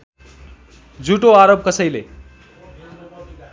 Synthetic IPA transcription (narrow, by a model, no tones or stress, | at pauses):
d͡zuʈoaɾob̚kʌsʌjle